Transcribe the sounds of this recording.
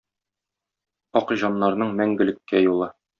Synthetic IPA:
ɒqʑɑnːɑɾn̪ɤɴmæŋɡɘ̆lɘ̆kːæjulˠɑ

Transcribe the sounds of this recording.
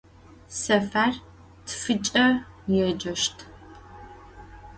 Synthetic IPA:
sɐfaːr | tʰfɨt͡ʃʼɐ | jɛd͡ʒɐʃtʰ

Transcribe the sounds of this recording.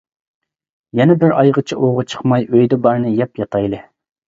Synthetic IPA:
jɛnɛbɪɾɑjʁət͡ʃʰiʔoʁʊt͡ʃʰə̥qmɑjøjd̪ɛbɑɾnɨjɛpjɑt̪ʰɑjlˠɨ

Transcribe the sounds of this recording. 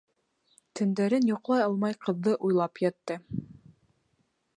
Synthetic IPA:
t̪ɵ̆nd̪æɾɘnjŏqlˠɑjɑlˠmɑjqɤ̆ðːɤʔujlˠɑpjɑt̪ːɤ

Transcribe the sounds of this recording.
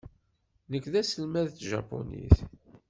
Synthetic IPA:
nəkːðæsəlmæðt̪ʒɑ̰po̰nḭθ

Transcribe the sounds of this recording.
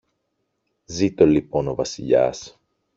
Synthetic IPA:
zit̪o̞lipo̞no̞vɐsiʎɐ̰s

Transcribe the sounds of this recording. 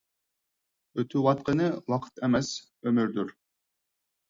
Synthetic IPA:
øt̪ʰywɑt̪̚qənɨwɑqʰə̥t̪ʰɛmɛs | ømyɾd̪yɾ

